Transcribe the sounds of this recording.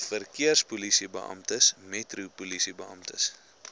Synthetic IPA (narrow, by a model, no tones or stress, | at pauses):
fərkiərspulisibə̰ʔɐ̰mtəsmɛtrupulisibəɐ̰mtəs